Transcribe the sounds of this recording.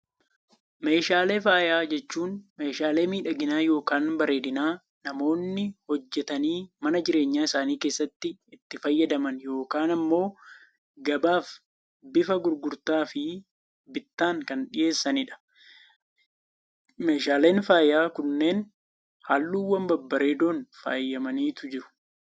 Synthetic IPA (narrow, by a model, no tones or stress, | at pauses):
me̞ːʃaːle̞ːfaːjaːd͡ʒɛt͡ʃːuːnme̞ːʃaːle̞ːmiːᶑɐɡɪnaːjo̞ːkaːnbɐɾe̞ːd̪ɪnaː | nɐmo̞ːnːɪhɔd͡ʒːɛt̪ɐniːmɐnɐd͡ʒɪɾe̞ːɲːaːɪsaːniːke̞ːsːɐt̪ːɪɪt̪ːɪfɐjːɐd̪ɐmɐnjo̞ːkaːnɐmːo̞ː | ɡɐbaːf | bɪfɐɡʊɾɡʊɾt̪aːfɪ | bɪt̪ːaːŋkɐnᶑɪje̞ːsːɐnɪᶑɐ̥ | me̞ːʃaːle̞ːnfaːjːaːkʊnːe̞ːn | haːlːuːwːɐmbɐbːɐɾe̞ːd̪o̞ːnfa̰ːjːɐmɐniːt̪ʊd͡ʒɪɾʊ̥